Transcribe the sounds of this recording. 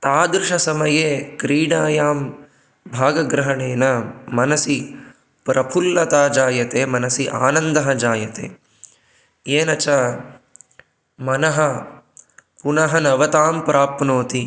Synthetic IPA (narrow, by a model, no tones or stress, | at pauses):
t̪aːd̪ɾɪʂɐsɐmɐjeːkɾiːɽaːjaːm | bʱaːɡɐɡɾɐɦɐɳeːnɐmɐnɐsi | pɾɐpʰulːɐt̪aːd͡ʒaːjɐt̪eːmɐnɐsiʔa̰ːnɐnd̪ɐɦɐd͡ʒaːjɐt̪ḛː | jeːnɐt͡ʃaː | mɐnɐɦɐ | punɐɦɐnɐʋɐt̪aːmpɾʔaːpnoːt̪i